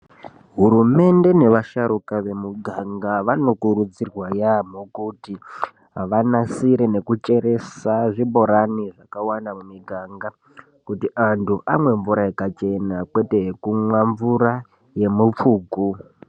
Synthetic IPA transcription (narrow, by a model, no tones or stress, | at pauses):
ɦuɾume̞nde̞ne̞ʋaʃaɾukaʋe̞muɡʱaŋɡaʋano̞kuɾud͡zirwajamokuti | ɦaʋanasiɾe̞ne̞kut͡ʃe̞ɾe̞saʐibo̞ɾaniʐakawanamumiɡʱaːŋɡa | kutiʔantʰuʔamwe̞ɱvuɾaikat͡ʃe̞nakwe̞te̞ɦekumwaɱvuɾa | je̞mup͡fuːku